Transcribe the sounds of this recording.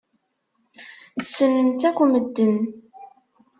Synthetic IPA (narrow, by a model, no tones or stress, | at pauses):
t͡sːənənt̪ækʷːəməd̪ːən